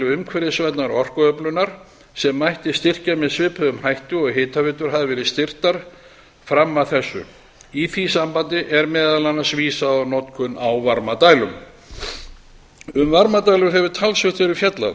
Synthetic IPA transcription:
ʏʏmkʰvɛɾɪsvɛt̪naɾɔr̥kœœplʏnaɾ̥ | sɛmːajht̪ɪst̪ɪr̥camɛðsvɪːpʰœðʏmhajht̪ʏɔɣɦɪːt̪avɪːt̪ʏɾ̥ɦaðɪvɛːɾɪðst̪ɪr̥t̪aɾ̥ | fɾamːaðθɛsːʏ̰ | iθisampant̪ɪʔɛɾmɛːðalanasviːsaanɔt̪kʰʏnawvaɾmat̪aːjlʏm | ʏmvaɾmat̪aːjlʏɾɦɛvʏt̪ʰalsvʏt̪fɛɾɪfjɛt̪la̰

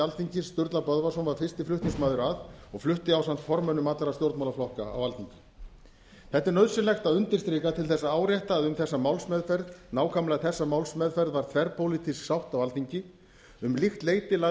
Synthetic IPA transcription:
alθiɲcɪsst̪ʏɾt̪lapœðvasɔnvaɾ̥fɪr̥st̪ɪflʏht̪iŋsmaːðʏɾaðɔɣflʏht̪ɪawsan̥t̪fɔɾmœnʏmat̪laɾast̪jowɾt̪mawlaflɔhkaa̰walθiɲcɪ | θɛht̪ːɪɾnœðsʏlɛxt̪aðʏnt̪ɪɾ̥st̪ɾɪːkat̪ʰɪlθɛsːaaːwɾjajht̪aːðʏmθɛsːamawlsmɛðfɛɾðnaːwkʰamlaɣθɛsːamawlsmɛðfɛɾðvaɾt̪ʰvɛɾpʰowlɪt̪ʰisksawht̪awalθiɲcɪ | ʏmlixt̪leːjt̪ɪla

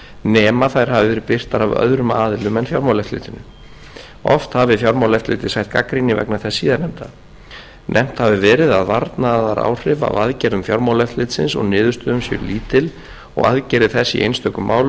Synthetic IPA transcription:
nɛːmaθajɾ̥ɦavɪvɛːɾɪpɪr̥t̪aɾavœ̰ðɾʏmaːðɪlʏmɛnfjawɾmawlɛft̪lɪ̰ːt̪ɪnːʏ | ɔ̰ft̪havɪfjɔwɾmawlɛft̪lɪːt̪ɪ̥saçt̪̚ka̰kɾinɪvɛ̰knaθɛsːiːðanɛmt̪a | nʔɛm̥t̪havɪvɛːɾɪðaðvaɾt̪naːðaɾʔa̰ːwr̥ɪva̰vaðcɛːɾðʏmfjɔɾmawlɛft̪lɪːt̪sɪnsɔ̰ɣnɪːðʏst̪ʏʏmsjɛ̰ɾliːt̪ɪl | ɔ̰ɣa̰ðcɛɾɪðθɛsːḭʔḛjnst̪ʰœhkːʏmːʔaːwl

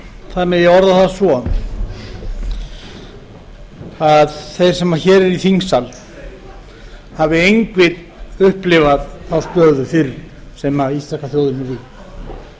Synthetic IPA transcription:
θanːɪɣjɛɣɔɾðaθaðsvɔ | aðθejr̥sɛmaçɛːɾɛɾiθiŋsal | havɪejŋkvɪɾ | ʏhplɪvaðθawst̪œːðʏfɪɾ | sɛmaist̪akaθjowðɪnʏvi

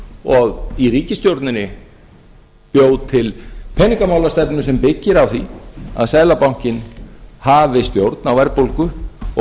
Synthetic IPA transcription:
ɔɣiriːcɪst̪jowɾt̪nɪnɪ | pjoːwt̪ʰɪlpʰɛnːiŋkamawlast̪ɛpnʏsɛmpɪcːɪɾawθia̰ðsaːjlapawŋ̥cɪnhavɪst̪jowɾt̪nawvɛɾpowlkʏ

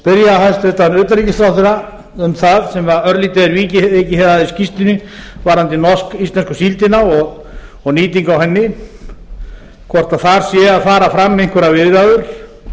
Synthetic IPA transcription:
pɪɾjaɦalst̪ɛt̪anʏːt̪aɾicɪsɾawθɪɾa | ʏmθaðsɛmvaɾœɾlit̪ɛðɪɾviːcɪejcɪhɛðaðiscist̪ɪnɪvaɾhant̪ɪnɔskist̪lɛnskʏ̥silt̪ɪnaɔɣ | ɔɣniːt̪̬iŋkawhɛnːɪ | kʰvɔr̥t̪aðθaɾ̥sjɛaðfaːɾafɾamːejŋ̥kvɛɾavɪðɾaðʏɾ̥

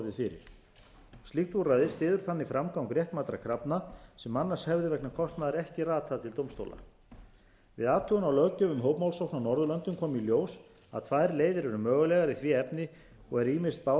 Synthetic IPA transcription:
ðɪfɪɾɪ̰ɾ̥ | st̪liht̪vurajðɪst̪ɪːðʏɾ̥θanːifɾamkawkɾjɛht̪maːt̪ɾakʰɾapnasɛmːanːashɛvðʏvɛk̚nakʰɔst̪naðɛɾɛhcɪraːt̪ʰaðt̪ʰɪlt̪owmst̪o̰wla̰ | vɪ̰ðaːt̪ʰœɣʏnawlœɣcœvʏmɦoːwpmawlsowknawnɔɾðʏlœnt̪ʏmkʰɔːmiljoːws | a̰ðt̪ʰvajɾleːjðɪɾɛɾʏmœːɣʏlɛːɣaɾiθviːɛpnɪ | ɔɣɛɾiːmɪ̥st̪̚pa

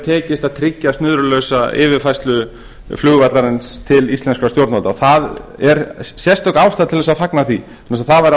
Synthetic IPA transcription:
t̪ʰɛːcɪst̪aðt̪ʰɾɪcːast̪nʏðɾʏlœsaɪ̰ːvɪɾfajst̪lʏ | flʏːɣvat̪laɾɪnst̪ʰɪlist̪ɛnskast̪jowɾt̪nvɔlt̪aɔθaðɛɾsjɛst̪ɔkaːwst̪aðt̪ʰɪlðɛs̬aðfaknaθi | nasaθavaɾa

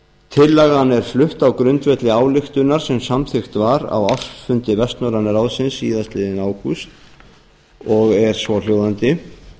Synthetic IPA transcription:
t̪ʰɪlːaɣanːɛɾ̥flʏht̪awkɾʏnt̪vɛt̪lɪaːwlɪxt̪ʏnaɾ̥sɛmsamθɪxt̪vaɾa̰waft̪fʏnt̪ɪvɛst̪nɔɾanaɾawðsɪnsiːðast̪lɪːðɪnaːwkust̪ | ɔɣɛɾ̥svɔljoːwðant̪ɪ

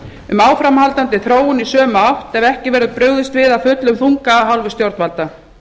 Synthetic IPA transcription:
ʏmaːwfɾamhalt̪ant̪ɪθɾoːwʏnisœːmawht̪ɛvɛhcɪvɛːɾðʏpɾœːɥɣðɪst̪vɪðafʏt̪lʏmθuŋkaɦawlvʏst̪jowɾt̪alt̪a

